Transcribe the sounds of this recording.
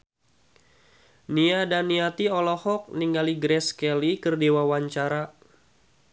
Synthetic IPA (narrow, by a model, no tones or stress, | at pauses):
niadanːiat̪iɔlɔhɔk̚niŋɡaliɡɾɛskɛlikərdewawaɲt͡ʃaɾa